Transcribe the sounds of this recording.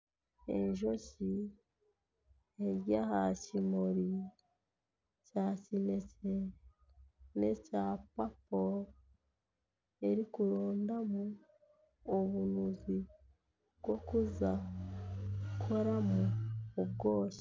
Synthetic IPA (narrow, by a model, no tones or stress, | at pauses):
e̞̰ɲʒo̞ci | eɾjahacimoɾi | cacine̞ce | ne̞capapo | eɾikuɾoːndamuː | βunuzi | βɡo̞kuza | kʰo̞ɾamuːbɡo̞ːci̥